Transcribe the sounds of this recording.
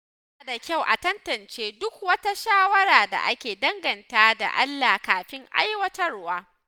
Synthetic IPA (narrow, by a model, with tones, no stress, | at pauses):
a˨da˨kʲa˦˨wʔa̰˨tɐ˦ntɐ˨nt͡ʃeː˦dʊ˦k̚wɐ˦ta˦ʃaː˦wɐ˦ɾaː˨da̰˨ʔa˦kʲeː˨dɐ˦ŋɡɐ˨ntaː˦da̰˨ʔa̰˦lːaː˨kaː˨ɸɪ˦ŋʔa̰˦jwɐ˦tɐ˦rwaː˦